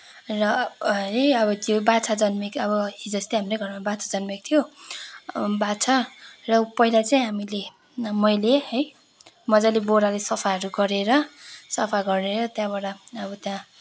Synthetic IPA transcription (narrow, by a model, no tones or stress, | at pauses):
rʌʌjʌbʌt̪jobat͡sʰad͡zʌnmikʌbʌid͡zʌst̪iɦamɾʌɡʱʌrmabat͡sʰad͡zʌnmik̚t̪ʰijo | bat͡sʰʌrʌpʌɦilat͡saĩɦamile | mʌjlehʌj | mʌd͡zaleboɾalesʌpʰaʌɾuɡʌɾeɾʌsʌpʰaɡʌrneɾʌt̪jãbaɽʌʌbʌt̪jã